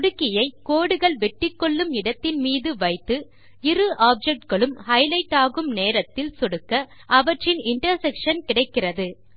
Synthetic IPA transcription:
ɽɯkːɪjɐɪkoːɽɯɣɐɭʋɛʈːɪkːɔɭːɯmɪɽɐt̪ːɪnmiːðɯʋɐɪt̪ːɯ | ɪɾɯʔaːp̚d͡ʒɛk̚ʈ̚ɡɐɭɯmhɐɪlɐɪʈːaːɣɯmneːɾɐt̪ːɪlsɔɽɯkːɐ | ʔɐʋɐʈrɪnɪɳʈɐɾsɛkʂɐnkɪɽɐɪkːɪrɐðɯ

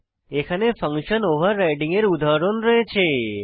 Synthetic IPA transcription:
ekʰanefə̃ŋkʃənoʋəɾːajɖĩŋeɾud̪ʱaɾonɾəɦet͡ʃʰe

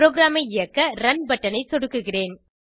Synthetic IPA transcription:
ɾoːɡɾaːmɐɪɪjɐkːɐɾɐnbɐʈːɐnɐɪsɔɽɯkːɯɣɪreːn

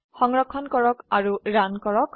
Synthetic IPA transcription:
xɔŋɹɔkʰːɔnkɔɹɔkaɹuɹankɔɹɔk

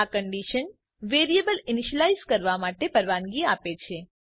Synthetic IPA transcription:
akəɳɖiʃən | ʋeɾiebəliniʃəlaizkəɾʋamaʈepəɾʋanɡiapet͡ʃʰe

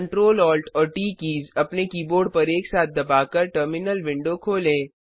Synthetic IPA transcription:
ɳʈɾoːlɔːlʈɔːɾʈiːkiːzɐpnekiːboːɖpɐɾeːksaːt̪̚ʰd̪ɐbaːkɐɾʈəɾmɪnəlʋɪ̃ɳɖokʰoːlẽː

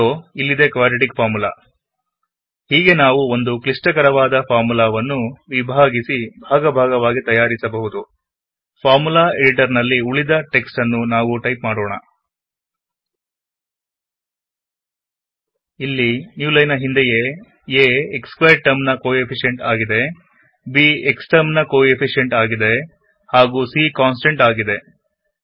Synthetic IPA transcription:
oilːid̪e̞kʋaːɖiʈikpʰaːɾmula̰ː | hiːɡe̞naːʋuo̞nd̪uklisʈɐkɐɾɐʋaːd̪ɐpʰaːɾmulaːʋɐnːuʋibʱaːɡisibʱaːɡɐbʱaːɡɐʋaːɡit̪ɐjaːɾisɐbɐɦud̪u | pʰaːɾmulaːeɽiʈɐɾnɐlːiuɭid̪ɐʈe̞ksʈɐnːunaːʋuʈɐjpmaːɽoːɳɐ̰ | ilːinjuːlɐjnɐɦind̪eje | eːkskʋɐjʈ̚ʈːɐɾmnɐkoːepʰiʂje̞ɳʈaːɡid̪e̞ | bieksʈɐmnɐkoːepʰiʂijeɳʈaːɡid̪e̞ | haːɡuːsikaːns̬ʈeɳʈaːɡid̪e̞

